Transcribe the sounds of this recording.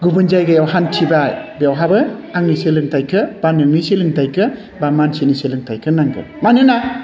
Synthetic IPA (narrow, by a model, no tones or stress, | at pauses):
ɡubɯnd͡ʒajɡɯjawɦantʰibajbijawɦabɯaŋniselɯŋtajkʰɯb̥anɯŋniselɯŋtajkʰɯ | bamansiniselɯŋtʰajkʰɯnaŋɡɯ̰ | manɯna